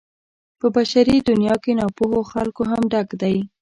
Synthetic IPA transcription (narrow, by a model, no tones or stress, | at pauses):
pəbaʃaɾid̪ʊnjɑkenɑpohoxalkoɦamɖaɡd̪aj